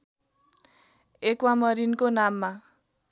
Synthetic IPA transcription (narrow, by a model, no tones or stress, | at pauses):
ekwamʌɾinkonamːa